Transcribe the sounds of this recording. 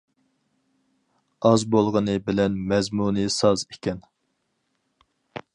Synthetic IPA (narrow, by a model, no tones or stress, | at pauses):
ɑzbolˠʁənɨbɪlɛnmɛzmunɨsɑzekʲʰɛn